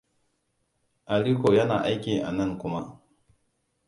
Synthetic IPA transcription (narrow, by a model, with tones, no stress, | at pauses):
ʔa˨ɽiː˦koː˨jɐ˦naː˨ʔa˦jkʲiː˨ʔa̰˨nɐ˦˨ŋkʷʊ˦ma˦ʔ